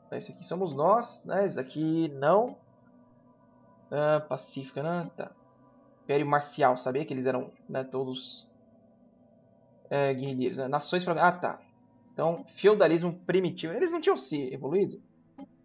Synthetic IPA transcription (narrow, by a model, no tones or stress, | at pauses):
ɛ̰isakisõmʊznɔsnɛzakʰinɐ̃w̃ | ɛ̃pasifi̥kɐnɐ̃t̪ã̰ | pɛɾjʊmaɾsiawsabiɐkɪelɪzɛɾɐ̃w̃nɛt̪od̪ʊs | ɛɡihiliɾʊ̰znɛnasõj̃sfalãat̪a̰ | ẽt̪ɐ̃w̃fiowd̪alizmʊpɾimit͡ʃivʊelɪznɐ̃t͡ʃĩɐ̃w̃sɪevoluid̪ʊ